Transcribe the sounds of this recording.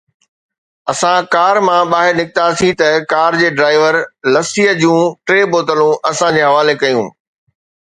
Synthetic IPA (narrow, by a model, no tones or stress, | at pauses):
ɐsãkaːɾmãɓaːɦɪɾnɪk̚ɪt̪asĩt̪ɐkaːɾd͡ʑeːɖɾaːɪʋəɾlɐsiːəd͡ʑũʈɾeːboːt̪əlũʔɐsãd͡ʑeːɦɐʋaːlekɐjṵ̃ː